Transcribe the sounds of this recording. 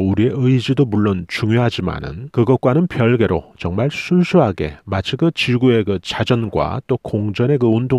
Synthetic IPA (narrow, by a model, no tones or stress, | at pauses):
uɾie̞ɯjd͡ʑidomuɭːont͡ɕuŋjoɦad͡ʑima̰nɯ̰nkɯɡʌt̚k͈wanɯnpjʌɭɡe̞ɾot͡ɕʌŋmaɭsʰunsʰuɦaɡe̞̰mat͡ɕʰikɯt͡ɕiɭɡue̞kɯt͡ɕad͡ʑʌnɡwa̰t͈okoŋd͡ʑʌne̞kɯundo